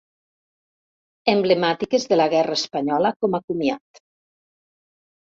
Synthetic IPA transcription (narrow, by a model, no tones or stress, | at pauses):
emblemat̪ikezðelaɣɛraespaɲɔləkomakumiat̪